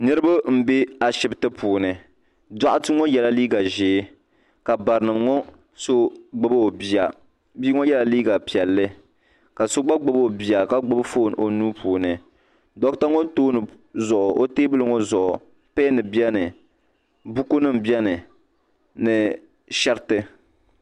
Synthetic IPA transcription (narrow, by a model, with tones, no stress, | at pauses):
nɨ˦ɾɨ˦ba˦m̩˦be˦a˨ʃɪ˨bɨ˨tɨ˦puː˨nɨ˨ | da˦ʔʊ˦tɨ˦ŋɔ˦jɛ˨la˦liː˦ɡa˨ʒeː˨˦ | ka˨ba˨ɾɨ˨nɨ˨mŋɔ˦ | so˦ɡ͡bɨ˨bo˨bi˨a˨ | biː˦ŋɔ˦jɛ˦la˨liː˦ɡa˨pi˨ɛ˨lːɨ˦ | ka˨so˦ɡ͡ba˦ɡ͡bɨ˨bo˨bi˨a˨ka˦ɡ͡bɨ˦bfoː˦˨n˨o˨nu˦pʰuː˨nɨ˨ | dɔ˦kta˦ŋo˦toː˦nɨ˨ | zʊ˨ʔʊ˨ʔo˦teː˦bɨ˦lɨ˨ŋɔ˦zʊ˨ʔʊ˨ | pe˦nɨ˨bi˦ɛ˦nɨ˨ | bu˦ku˦nɨ˦m̩˨bi˦ɛ˦nɨ˨ | nɨ˨ | ʃɛ˦ɾtɨ˦